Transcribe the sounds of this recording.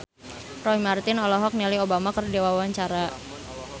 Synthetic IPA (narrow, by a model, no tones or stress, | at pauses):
rɔɦimart̪ɪnɔlɔɦɔk̚nɛliobamakərdiwawaɲt͡ʃaɾa